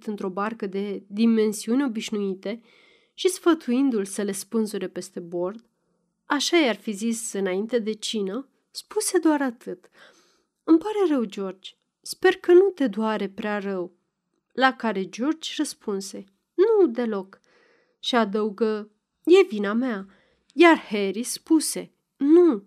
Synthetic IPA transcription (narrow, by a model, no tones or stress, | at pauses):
t̪ɨnt̪ɾo̞barkəd̪e̞d̪ime̞nsiuneo̞biʃnuit̪e̞ | ʃisfət̪uind̪ulsəle̞spɨnsuɾe̞pe̞st̪e̞bo̞rd̪ | aʃajarfizisɨnaint̪e̞d̪e̞t͡ʃinə | spuse̞d̪oaɾat̪ʰɨt̪ | ɨmpaɾe̞rəwd͡ʒo̞rd͡ʒʲ | spe̞rkənut̪e̞d̪oaɾe̞pɾearəw | lakaɾe̞d͡ʒo̞rd͡ʒʲrəspʰunse̞ | nud̪e̞lo̞k | ʃiad̪əuɡə | je̞vinamea | jarhe̞ɾispuse̞̰ | nu